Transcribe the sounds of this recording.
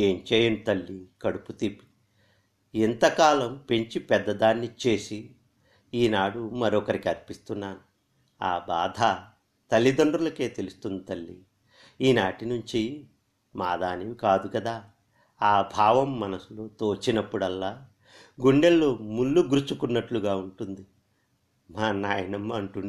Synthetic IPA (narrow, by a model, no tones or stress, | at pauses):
e̞ːmt͡ʃeːjɐnut̪ɐlːikɐɽuput̪ipi | int̪ɐkaːlɐmpe̞ɲt͡ʃipɛd̪ːɐd̪aːnːit͡ʃe̞ːsi | iːnaːɽumɐɾɔːkɐɾikɐɾpist̪unːaːnu | aːbaːd̪ʱa | t̪ɐlːid̪ɐɳɖɾulɐke̞ːt̪elust̪unɐt̪ɐlːḭ | iːnaːʈinuɲt͡ʃi | maːd̪aːniʋikaːd̪ukɐd̪aː | aːbʱaːʋɐmːɐnɐsuloːt̪oːt͡ʃːinɐpːuɽɐlːaː | ɡuɳɖelːoːmulːuɡɾut͡ʃukunːɐʈluɡaːuɳʈund̪i | maːnaːjɐnɐmːɐɐɳʈun